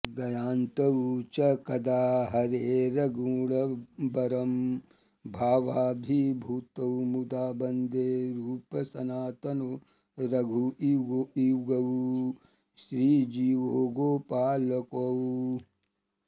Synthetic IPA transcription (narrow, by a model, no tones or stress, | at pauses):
ɡɐjaːnt̪ɐwt͡ʃɐkɐd̪aːɦɐɾeːɾɐɡuːɭɐbɐɾɐm | bʱaːʋaːbʱibʱuːt̪ɐwmud̪aːbɐnd̪eːɾuːpɐsɐnaːt̪ɐno | ɾɐɡʱuiɡoiwɡɐw | ʃɾiːd͡ʒiːʋoːɡoːpaːlɐkow